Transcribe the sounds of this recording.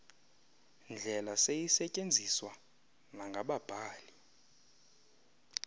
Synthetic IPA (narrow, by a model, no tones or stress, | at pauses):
nd͡ɮʱɛlasejisɛcʼend͡zʱiswa | naŋɡʱaɓab̥ʱaːli